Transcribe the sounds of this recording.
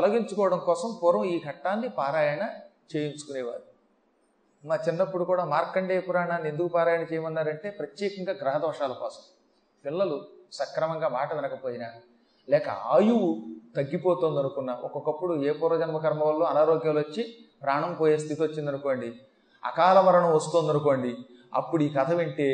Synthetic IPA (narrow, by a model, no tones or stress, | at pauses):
ɐlɐɡiɲt͡ʃukɔːʋɐɽɐmkɔːsɐmpuːɾɐmiːɡʱɐʈːaːnːipaːɾaːjɐɳɐ | t͡ʃe̞ːjint͡ʃu̥kunɛːʋa̰ːɾu | maːt͡ʃinːɐpːuɽukuːɽaːmaːɾkːɐɳɖeːpuɾaːɳaːnːiend̪ukupaːɾaːjɐɳɐt͡ʃɛːjɐmɐnːaːɾɐɳʈe̞ːpɾɐt̪jɛːkɐŋɡaːɡɾɐɦɐd̪ʋɐʂaːlɐkɔːsɐm | pilːɐlusɐkɾɐmɐŋɡaːmaːʈɐʋɛnɐkɐpoːjina | lɛːkɐ̰aːjuʋut̪ɐɡːipoːt̪oːnd̪ɐnukunːɐ̰ʔɔkɔkɐpːuɽueːpuːɾɐd͡ʒɐnmɐkɐɾmɐʋɐlːoːɐnaːɾoːɡjaːluʋɐt͡ʃːi | pɾaːɳɐmpoːjeːst̪ʰit̪iot͡ʃːind̪ɐnuko̞ːɳɖi | ɐ̰kaːlɐmɐɾɐɳɐmʋɐst̪oːnd̪ɐnuko̞ːɳɖi | ɐ̰pːuɽuiːkɐt̪ʰɐʋeɳʈeː